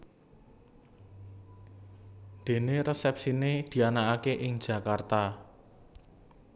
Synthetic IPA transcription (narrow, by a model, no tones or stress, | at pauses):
d̪̥e̤neɾəsɛp̚sined̪̥i̤anaakeʔɪŋd̥d͡ʒʒ̥ä̤kart̪a